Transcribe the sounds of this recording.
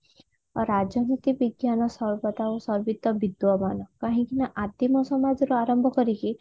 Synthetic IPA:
ɾad͡ʒɔnit̪ibiɡjanɔsɔɾbɔt̪aosɔɾbit̪ːɔbid̪wɔmanɔkaɦĩkinaʔat̪imɔsɔmad͡ʒɔɾuaɾɔmbʱɔkɔɾiki

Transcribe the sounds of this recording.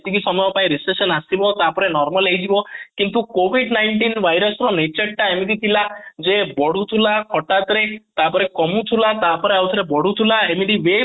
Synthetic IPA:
t̪ikisɔmjɔpaĩɾisʈesɔnasibɔt̪apɔɾenɔɾmalɦejd͡ʒibɔkint̪ukobiɖnajɳʈinbʱajɾɔsɾɔnet͡ʃəɽʈaemid̪it̪ʰilad͡ʒebɔɽ̤ut̪ʰulakʰɔʈat̪ɾet̪apɔɾekɔmut̪ʰulat̪apɔɾeawut̪ʰaɾebɔɽ̤ut̪ʰulaemiɖiʋe

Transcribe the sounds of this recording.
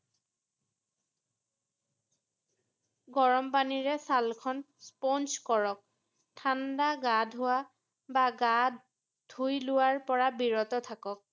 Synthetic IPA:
ɡɔɹɔmpaniɹɛsalkʰɔn | spɔnskɔɹɔk̚ | tʰandaɡadʱʊwa | baɡad | dʱujlʊwaɹpɔɹabiɹɔtɔtʰakɔk̚

